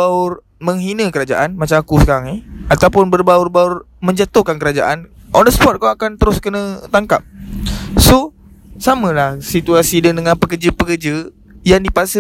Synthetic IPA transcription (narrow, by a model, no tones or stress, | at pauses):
aʊr | məŋɦinə̃kəɾad͡ʒa̰ʔanmat͡ʃamakusə̥kaɾaŋɪhat̪awpʊnbərbaʊrbaʊr | mə̃ɲd͡ʒat̪ʊhkankəɾad͡ʒa̰ʔan | ʔɔdəsə̥pɔt̪̚kaakant̪əɾʊskənə̃t̪aŋkap̚ | so | samə̃lahsit̪uasidədəŋanpəkərd͡ʒəpəkərd͡ʒə | jaŋdipasə